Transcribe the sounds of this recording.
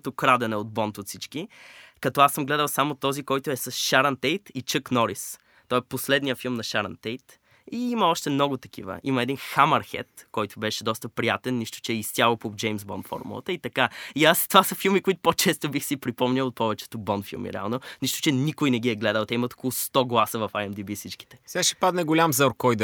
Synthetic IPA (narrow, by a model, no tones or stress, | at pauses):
t̪okɾad̪ɛnɛod̪̚bɔnt̪ot̪sit͡ʃkikɐt̪ɔasəmɡlɛd̪əlˠsamot̪ɔzikɔjt̪ʊɛsɐsʃaɾɐnt̪ɛjt̪it͡ʃɤknɔɾis | t̪ɔɛposlɛd̪nijəfilˠmnɐʃaɾɐ̰nt̪ɛjt̪ | iimɐɔʃt̪ɛmnɔɡʊt̪ɐk̟ʰḭvə̰ʔimɐɛd̪inxamɐɾxɛ̰t̪kɔjt̪ʊbɛʃɛd̪ɔst̪əpɾijat̪ɛnːiʃt̪o̥t͡ʃɛist̪ʲalˠopod͡ʒɛjmzbɔ̰nfɔ̰ɾmṵlˠə̰t̪əit̪ɐkaiast̪ovasəfilˠmikoit̪ʊ̥pot͡ʃɛst̪obixsipɾipɔmnʲɐlˠot̪̚pɔvɛt͡ʃɛ̥t̪obɔnfḭlˠmḭɾɛ̰a̰lˠnoniʃt̪ʊ̥t͡ʃɛnikojnɛɡ̟iɛɡlɛd̪əlˠt̪ɛimɐt̪o̥kolˠʊst̪ɔɡlˠasəvɐfaɛmd̪ibisit͡ʃki̥t̪ɛ̥sɛaʃɛ̥pad̪nɛɡolʲamzoɾkɔjd̪